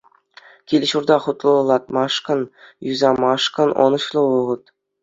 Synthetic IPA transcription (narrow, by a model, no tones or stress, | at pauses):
kʲilʲɕurd̪ɑχut̪lˠɤ̆lˠɑt̪mɑʂkɤ̆njyzɑmɑʂkɤ̆nʔɤ̰̆nɤ̆ɕlˠɤ̆ʋɤʁɤ̆t̪